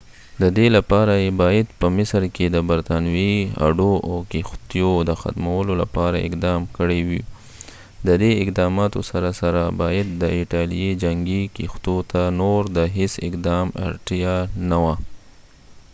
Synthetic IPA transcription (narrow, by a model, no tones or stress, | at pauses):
d̪əd̪elapɑɾajebɑjad̪pəmɪsɾked̪əbaɾt̪ɑnwea̰ɖoʔawkixt̪jod̪əxa̰t̪mawəlola̰pɑɾaɪ̰qd̪ɑmkəɽewi | d̪əd̪eɪqd̪ɑmɑt̪osaɾasaɾabɑjad̪̚ːəɪʈɑlijed͡ʒaŋɡikixt̪ot̪anoɾd̪əɦɪsɪ̰qd̪ɑma̰ʈjanawa